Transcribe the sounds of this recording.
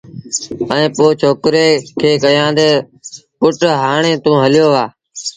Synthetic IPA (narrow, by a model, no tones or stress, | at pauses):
əẽːpoːt͡ʃʰoːkɾeːkʰeːkəjãːd̪eː | kʊʈɦaːɳẽːt̪ũːɦəlɪjoːʋaː